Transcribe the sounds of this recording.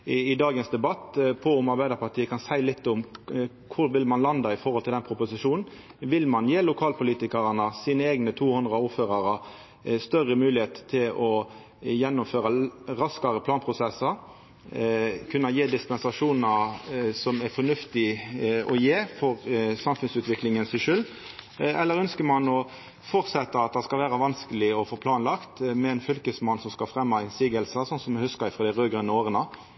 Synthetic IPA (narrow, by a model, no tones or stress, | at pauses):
ɪd̪ɑːɡənsd̪ɛbɑt̪ːpʰɔʊmɑɾbæɪd̪ɑɾpɑt̪ʰiːəkʰɑnsæɪlɪt̪ːʊm | kʰʊɾʋɪlmɑnlɑnd̪ɑɪfɔʁhɔlɪld̪ɛnpʰɾʊpʊsɪʂuːnn̩ | ʋɪlmɑnjeːlʊkʰɑːlpʊliːt̪ɪkɑʁɑnəsiːnəeːɡnət̪ʰuːhʉnd̪ʁɾəʊːɾføːʁɑʁə | st̪œʁəmʉːlɪheːt̪t̪ʰːɪlɔ | jɛnːʊmføːʁɑɾɑskɑɾəpʰlɑːnpʰʁʊsɛsːɑ | kʰʉnːɑjeːd̪ɪspɛnsɑʂuːnɑsɔmæfɔnʉft̪ɪɔjeːfɔʁsɑmfʉnsʉːt̪ʋɪklɪŋənsɪʂʉlː | ɛlːəɾœnskəmɑnɔ | fɔʁt̪sɛt̪ːəɑt̪̚d̪ɑskɑlʋæːʁɑʋɑnskəlɪɔfoːpʰlɑːnlɑkt̪mɛɛnfʏlkəsmɑnsɔmskɑfʁɛmːɑɛɪnsiːɡəlsəsɔnsɔmːɛhʉskəɾɪfɾʁoːd̪æɪʁøːɡɾənːəoːʁənə